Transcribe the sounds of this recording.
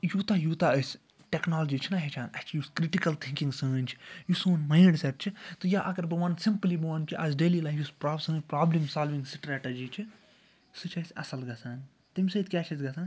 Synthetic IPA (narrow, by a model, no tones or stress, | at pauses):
jut̪ajut̪aəs | ʈeknaːlɐd͡ʒit͡ʃʰinaɦet͡ʃʰaːnɐt͡ʃʰijuskɾiʈikɐlt̪ʰĩŋkĩŋɡsə̃ːnʲt͡ʃʰi̥jusoːnmãːɖsep̚t͡ʃʰit̪ɨjaʔɐkɐɾbɐʋɐ̃nsimplibɐʋɐnt͡ʃʰiʔɐzɖeːlilaːfjuspɾaːsə̃ːnpɾaːblimsaːlʋĩŋɡsʈɾɛːʈɐd͡ʒit͡ʃʰi | sɨt͡ʃʰɐsʲɐ̰sɐlɡɐsaːn | t̪imʲsɐt̪kʲaːt͡ʃʰɐt̪ɡɐsaːn